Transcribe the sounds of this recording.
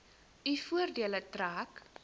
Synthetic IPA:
ifuərdiələtraːk

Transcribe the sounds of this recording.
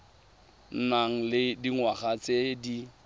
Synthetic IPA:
n̩naŋ̩lɪdiŋwaχat͡sʼedi

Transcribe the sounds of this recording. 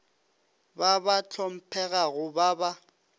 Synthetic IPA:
babat͡ɬʰɔm̩pʰɛɣaɣʊbaba

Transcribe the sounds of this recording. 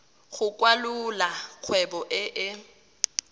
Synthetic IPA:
ɣʊkʼwalʊlaq͡χʰwɛbɔʔɪʔɪ

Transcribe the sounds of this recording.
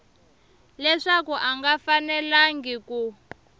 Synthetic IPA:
lɛʂakuʔaŋɡafanɛlaŋɡiku

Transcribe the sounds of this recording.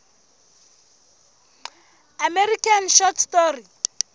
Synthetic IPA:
amɛrikʰanʃɔtʰstɔri

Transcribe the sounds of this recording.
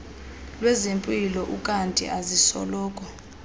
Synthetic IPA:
lwɛzempʼilɔʔukʼantʼḭʔazisɔ̰lɔːkʼɔ

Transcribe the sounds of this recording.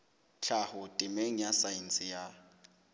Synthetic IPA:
ɬʰahʊtʼɪmeŋ̩jasajinsʼɪja

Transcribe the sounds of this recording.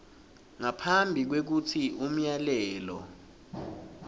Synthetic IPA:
ŋapʰambʱik̬wek̬utʰiʔum̩jalɛːlɔ̰

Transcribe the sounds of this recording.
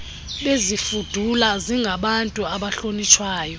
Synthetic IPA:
ɓezifud̥ʱulaziŋɡʱaɓantʼuaɓaɬonit͡ʃʰwaːjɔ

